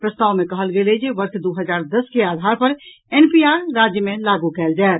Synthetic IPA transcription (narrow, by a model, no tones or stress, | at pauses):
pɾəst̪aːwmekəɦəlɡelɛd͡ʒeʋəɾsd̪uɦəd͡ʒaɾd̪əskeaːd̪ʱaɾpəɾ | enpiaɾɾad͡ʒjəmelaɡukɛːld͡ʒaɛt̪